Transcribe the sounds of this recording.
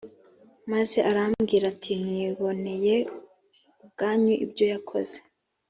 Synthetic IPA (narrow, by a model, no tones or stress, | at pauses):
maze̞ʔaɾamɡiːɾatʰimŋiːβo̞ne̞je̞ | ub̚ɡaːɲuʔḭbɟo̞jakʰo̞̰z̥e̥